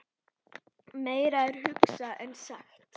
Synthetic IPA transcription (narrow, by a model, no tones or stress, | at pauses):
meːjɾaɛɾ̥hʏksaʔɛnsaxt̪